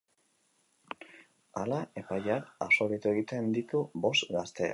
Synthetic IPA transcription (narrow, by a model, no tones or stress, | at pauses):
alae̞pajaɾaso̞βejt̪ueɣit̪e̞nd̪it̪ubo̞st̪ɡast̪e̞a̰